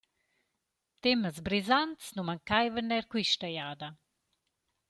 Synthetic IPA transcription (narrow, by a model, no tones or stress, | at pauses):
t̪eməzbɾizant̪snumaŋkajvəɾnɛɾkwiʃtajaːd̪a